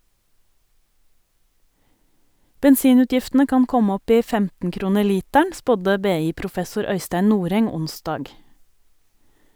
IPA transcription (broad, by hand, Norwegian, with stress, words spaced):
bɛnˈsiːˌnʉːtjɪftn̩ə ˈkɑn ˈkɔm ˈɔp ˈiː ˈfɛmtn̩ ˈkɾuːnə ˈliːtæɳ ˈspɔdə ˈbeːˌiːpɾʊˌfɛsʊɾ ˈœʏstæɪn ˈnuːɾɛŋ ˈʊnˌsdɑːɡ